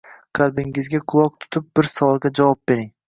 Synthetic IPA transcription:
qʰɑlˠbɪŋɪzɡʲaqʰʊlˠɒq̚t̪ʰʊ̥t̪ʰɪp̚bɪɾsavɒlˠɡʲad͡ʒavɒp̚b̥eɾɪŋ

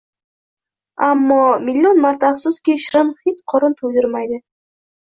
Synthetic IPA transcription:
amːɒmɪlʲːionmaɾt̪aːfsʊskʲiʃɾɪnhet͡ʃqʰɒɾʊnt̪ʰod̪ɪɾmajd̪ɪ

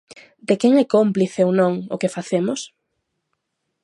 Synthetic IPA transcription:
d̪ekɛŋɛkompliθeonõŋʊkefaθemʊs

